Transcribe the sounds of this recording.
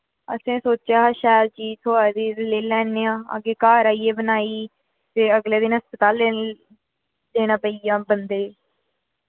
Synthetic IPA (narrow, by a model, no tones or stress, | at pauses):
ə̰sẽːsoːt͡ʃaːʃaːl̚t͡ʃiːzt̪ʰoaːd̪iːleːlɛːneːãːa̰ɡeːkaːɾaːiːeːbənaːiː | t̪eːəɡleːd̪ɪnɦəspət̪aːle | d̪eːɽ̃ãːpəiːãːbənd̪eː